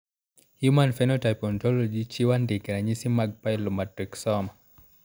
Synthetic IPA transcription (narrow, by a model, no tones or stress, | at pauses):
hjumanfɛnɔtajpɔntɔlɔd͡ʒit͡ʃiwandikɛɾaɲisimaɡ̚pajlɔmatriksɔma